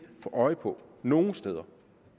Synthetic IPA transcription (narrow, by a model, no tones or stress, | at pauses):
fɒʔɒ̽ɪpʰɔ̽no̝ːn̩sd̥eðˠɐ